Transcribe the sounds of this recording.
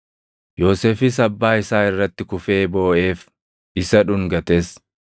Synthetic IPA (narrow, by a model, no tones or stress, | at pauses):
jo̞ːseːfɪs̬ɐbːaːɪsaːɪrːɐt̪ːɪkʊfe̞ːbo̞ːʔe̞ːf | ɪsɐᶑʊŋɡɐt̪e̞ːs